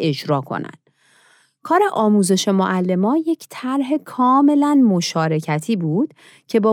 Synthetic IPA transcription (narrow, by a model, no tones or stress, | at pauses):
e̞d͡ʒɾɒːkʰo̞̰næ̰nd̪̥ | kʰɒːɾe̞ʔɒːmuːze̞ʃe̞moʔælːe̞mɒːnje̞cʰt̪ʰæɾɦe̞kʰɒːme̞lænmo̞ʃɒːɾe̞cʰæt̪ʰiːbuːd̪̥ | cʰe̞bɒː